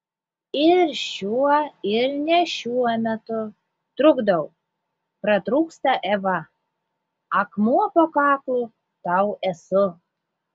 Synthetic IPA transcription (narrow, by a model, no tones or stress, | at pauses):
ɪɾʃʲuɔɪɾnʲɛʃʲuɔmʲɛt̪ʊ | t̪ɾʊɡd̪ɐʊ | pɾɐt̪ɾuːkst̪ɐʔɛʋɐ | ɐkmuɔpokɑːklˠu | t̪ɑʊɛsʊ